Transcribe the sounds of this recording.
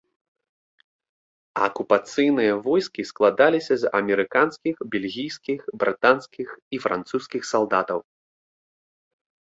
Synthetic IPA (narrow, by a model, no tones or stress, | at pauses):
ɐkupat̪sɨjnɨjɐvɔjskʲisklˠad̪alʲisʲɐzɐ̰mʲɛɾɨkanskʲixbʲɛlʲɣʲijskʲixbɾɨt̪anskʲixifɾa̰nt̪suskʲixsalˠd̪at̪ɐw